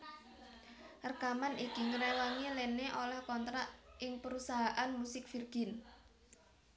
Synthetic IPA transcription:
ərkamanikiŋɾɛwaŋileneʔolɛhkɔnt̪ɾaʔʔɪŋpəɾusaɦaʔanmusɪk̚firɡ̥ɪn

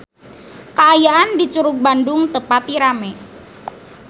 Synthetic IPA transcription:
kəajaʔandit͡ʃuɾʊk̚bandʊŋt̪əpat̪iɾamɛ

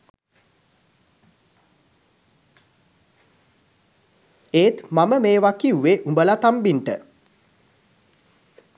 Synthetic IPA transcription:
eːt̪maməmeːʋakiuʋeʔumbəlat̪ambiɳʈə

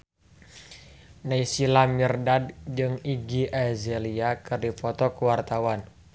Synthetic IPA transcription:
naisilamirdad̚d͡ʒɨŋiɡiʔazɛliakɨrdifɔt̪ɔkuwart̪awan

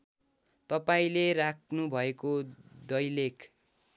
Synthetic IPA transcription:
t̪ʌpaĩlerakʰnubʱʌekod̪ʌjlekʰ

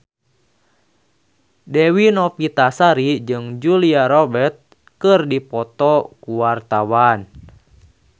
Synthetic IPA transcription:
dɛwinɔpit̪asaɾid͡ʒɨŋd͡ʒuliaɾɔbɛrt̪̚ | kɨrdipɔt̪ɔkuwart̪awan

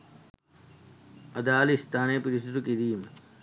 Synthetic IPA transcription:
ɐd̪aːlist̪aːneːpiɾisd̪ukid̪iːm

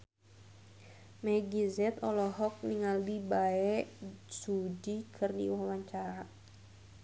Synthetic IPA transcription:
mɛɡizɛt̪ɔlɔɦɔk̚niŋaldibaɛsud͡ʒikʰɨrnḭwawaɲt͡ʃaɾa

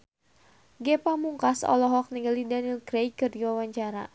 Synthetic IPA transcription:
ɡɛpamuŋkasɔ̰lɔɦɔk̚niŋɡalidanilkɾejkɨrdiwawaɲt͡ʃaɾa

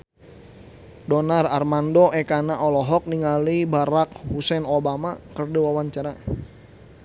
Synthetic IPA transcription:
dɔnararmandɔʔɛkanaʔɔlɔɦɔk̚niŋalibaɾak̚husɛnobamakərduwawaɲt͡ʃaɾa

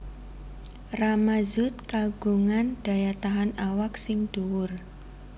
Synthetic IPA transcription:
ramazʊt̪̚kaɡ̥ṳŋanɖ̥a̤jat̪aɦanawaksɪŋd̥uwʊr

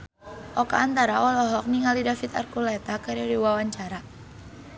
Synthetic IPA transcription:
ʔɔka̰ːnt̪aɾaɔlɔɦɔk̚niŋalidafit̪a̰rkulɛt̪akaɾiadiwawaɲt͡ʃaɾa

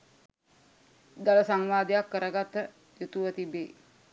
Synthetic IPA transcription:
d̪aləsaŋʋaːd̪ejakːəɾəɡat̪ːə | jut̪uʋət̪ibeː

